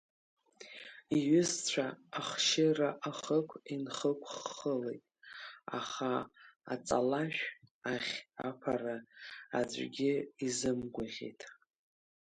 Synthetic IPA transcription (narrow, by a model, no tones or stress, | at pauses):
iɥʏzt͡ɕʷʰaːχʃɪraʔaχəkʷʰinχəkʷʰʼχːəlejtʼa̰χaa̰t͡sʼalaʃᶣaχʲa̰pʰaɾaad͡zʷʼɡʲɪizɨmɡʷaʁʲḛtʼ